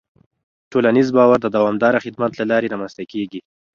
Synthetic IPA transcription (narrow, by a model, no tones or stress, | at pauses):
ʈolanizbɑwaɾd̪əd̪awɑmd̪ɑɾaxɪd̪mat̪lalɑɾeɾɑmanst̪akeɡi